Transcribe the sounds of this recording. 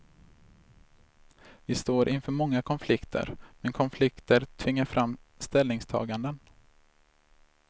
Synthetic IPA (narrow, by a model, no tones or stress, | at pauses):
vɪst̪oːɾʔɪnfœːɾmɔŋːakʰɔnflɪkt̪ʰə̰ɾmɛnkʰɔnflɪkt̪əɾt̪ʰvɪŋːaɾfɾʔamːst̪ɛlnɪŋst̪ʰɑ̰ːɡand̪ən